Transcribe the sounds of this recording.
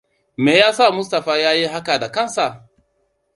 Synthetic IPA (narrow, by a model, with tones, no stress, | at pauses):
me˨jaː˦sa˦˨mʊ˦sta˨fa˦jaː˦je˦ɦa˦ka˨da˨kɐ˦nsa˨